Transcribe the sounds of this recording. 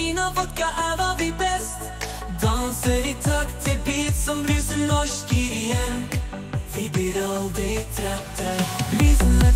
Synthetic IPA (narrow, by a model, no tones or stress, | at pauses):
inafɔkːaʔævɑd̪ɪbɛst̪ | d̪ɑnsəɾɪt̪ʰɑkt̪ʰɪlbiːt̪sɔmɾysənɔʂkɪɾɪjɛn | vɪblɪɾɑld̪ɾɪt̪ʰɾɛt̪ʰəɾisn̩